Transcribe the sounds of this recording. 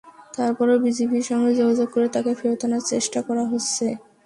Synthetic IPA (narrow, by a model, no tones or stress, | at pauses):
t̪aɾpɔɾobid͡ʑebiɾʃɔŋɡed͡ʑoɡʱad͡ʑoɡ̚koɾet̪akefʰiɾot̪onaɾt͡ɕeʃʈakɔɾaɦotːɕʰe